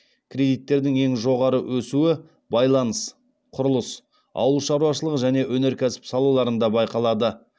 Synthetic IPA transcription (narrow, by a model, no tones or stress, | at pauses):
kʲʰrʲe̞d̪ijt̪ːe̞ɾd̪ɪŋe̞ŋʒo̞ʁɑɾəwʔɵsuɪ | bɑjlˠɑnəs | qʰʊɾəlˠəs | ɑ̰wəlˠʃɑɾuɑʃəlˠəʁəʒæne̞wɵne̞ɾkʲʰæsɪ̥psɑlˠɑlˠɑɾənd̪ɑbɑjqɑlˠɑd̪ə